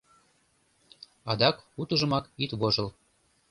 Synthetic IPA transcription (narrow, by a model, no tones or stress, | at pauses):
ɑd̪ɑkut̪əʒə̆mɑkit̪βoʒɤl